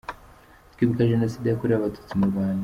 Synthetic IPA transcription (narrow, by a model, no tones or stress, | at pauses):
t̪kiβukaʒenosidejakuɾiaβatu̥t͡simuɾβaːɲe